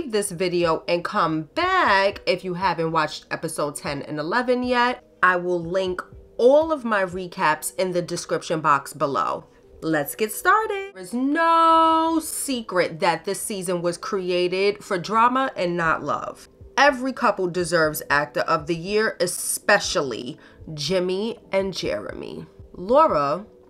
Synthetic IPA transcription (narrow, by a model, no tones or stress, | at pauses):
vðɪsvɪɾioʊʔɨ̃nkʰʌ̃mbækɪfjɨɦævɨ̃nʔwɑt͡ʃtɛpɨsoʊd̚tʰɛ̃nɨ̰̃nəlɛvɨ̃njɛt̚ | aɪwɪlˠlɪ̃ŋkɔlˠʌvmaɪɹikʰæpsɨ̃nðɨdɨskɹɪpʃɨ̃nbɑksb̥əlo̰ʊ | lɨtsɡ̥ɛtstɑɹɾɪɨzno | sikɹɨt̪̚ðɨt̪̚ðɪsizɨ̃nwʌz̥kʰɹ̥ieɪɾɪd̥fə˞dɹɑməʔɨ̃nːəʔˡlʌ̰v̥ | ɛvɹikʰʌpl̩ˠdɨzɜ˞vzæk̚təʔʌvðɨjɪɹɨsspɛʃl̩ˠḭ | d͡ʒɪ̃miʔɨ̃nd͡ʒɛ̰ɹɨ̰mḭlɔɹə